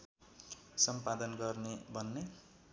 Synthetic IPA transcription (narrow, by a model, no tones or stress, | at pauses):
sʌmpad̪ʌnɡʌrnebʱʌnːe